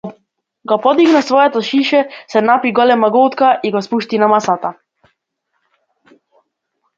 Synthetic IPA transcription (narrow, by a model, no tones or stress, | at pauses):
ɡɔpɔd̪iɡnasvɔjɛt̪ɔʃiʃɛsɛnapiɡɔlɛmaɡot̪kaʔiɡɔspuʃt̪inamasat̪a